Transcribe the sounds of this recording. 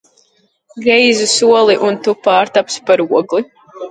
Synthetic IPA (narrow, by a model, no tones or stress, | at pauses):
ɡɾɛjzusuɔlˠiʔunt̪upaːɾt̪apspaɾuɔɡlˠi